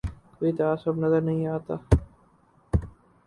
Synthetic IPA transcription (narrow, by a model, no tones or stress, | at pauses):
koːit̪aaːsəbnɐzəɾnɐɦĩaːt̪aː